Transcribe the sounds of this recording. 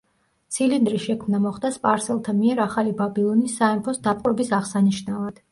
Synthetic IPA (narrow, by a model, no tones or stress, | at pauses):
t̪sʰilind̪ɾiʃɛkʰmnamɔχd̪aspʼaɾsɛlˠt̪ʰamiɛɾaχalibabilˠɔnisːaɛmpʰɔsd̪apʼwɛbisaʁsaniʃnavad̪̥